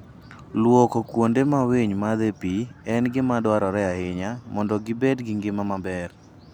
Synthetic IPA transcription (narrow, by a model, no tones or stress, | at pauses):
lwɔkɔkwondemaweɲmad̪epiɛnɡɪmadwaɾɔɾɛahɪɲamɔndɔɡɪbedɡɪŋɡɪmamabɛr